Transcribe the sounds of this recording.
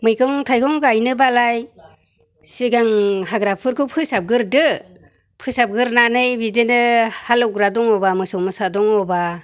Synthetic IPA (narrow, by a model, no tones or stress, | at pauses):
mɯjkʰɯŋtʰajkʰɔŋɡajnɯbalaj | siɡaŋɦaɡɾapʰɯɾkʰɯpʰɯsap̚ɡɯɾdɯ | pʰɯsab̚ɡɯɾnanɯjbidenɯhalɔɡɾadɔŋɔbamɯsɔwmɯsadɔŋɔba